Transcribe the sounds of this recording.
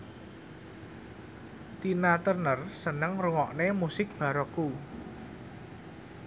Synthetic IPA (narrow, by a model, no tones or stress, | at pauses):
t̪inat̪ərnərsənəŋruŋɔʔnemusɪk̚b̥a̤ɾɔku